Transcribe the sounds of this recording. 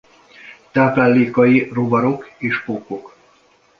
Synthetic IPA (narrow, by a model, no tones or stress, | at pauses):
t̪aːpɛlːiːkɒjirobɒɾo̞keːʃpoːko̞k